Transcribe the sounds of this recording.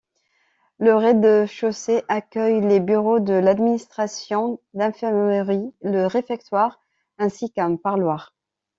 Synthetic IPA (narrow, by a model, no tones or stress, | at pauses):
ləʁɛd̪əʃoseʔakʲœjlebyʁod̪əlad̪minist̪χasjɔ̃d̪ɛ̃fɛʁmʁiləʁefɛk̚t̪waʁ | ɛ̃sikɛ̃paʁlwaʁ